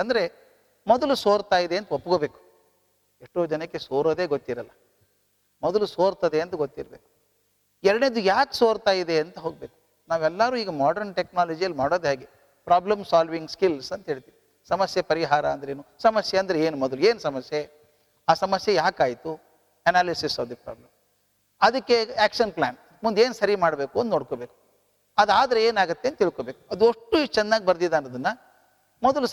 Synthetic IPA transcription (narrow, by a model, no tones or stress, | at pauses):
ɐnd̪ɐɾe̞ | mɔd̪ɐlusoːɾt̪aːjid̪e̞ːɐnt̪ɐopːuɡoːbe̞ːku̥ | eʂʈːo̞ːd͡ʒɐnɐkːesoːɾo̞ːd̪eːɡot̪ːiɾɐlːɐ | mɔd̪ɐlusoːɾt̪ɐd̪eɐnt̪ɐɡot̪ːiɾɐbe̞ːku̥ | ɛɾɐɽned̪ujaːksoːɾt̪aːjid̪e̞ɐnt̪ɐɦoːɡ̚beːku̥ | naːʋɛlːɐɾuːiːɡɐmaːɖɐɾɳʈeknaːlɐd͡ʒijɐlːimaːɽoːd̪ɦaːɡe | pɾaːblɐmsaːlʋiŋɡskilsɐnt̪ɐɦeːɭt̪iːʋi | sɐmɐsjeɐpɐɾiɦaːɾɐɐnd̪ɐɾeːnusɐmɐsjeɐnd̪ɾeeːnumɔd̪ɐlueːnusɐmɐsje | aːsɐmɐsjejaːkaːjt̪u | ɐnaːlisisɐʋd̪ipɾa̰ːblɐm | ɐd̪ɐkːeæːkʂɐnplaːn | mund̪eːnusɐɾimaːɽbeːkund̪noːɽkobe̞ːku̥ | ɐd̪aːd̪ɐɾeeːnaːɡɐt̪ːent̪iɭkoːbe̞ːku̥ɐd̪uoʂʈːut͡ʃɛnːaːɡʲibɐɾd̪id̪aːnːɐd̪ɐnːɐ | mɔd̪ɐlu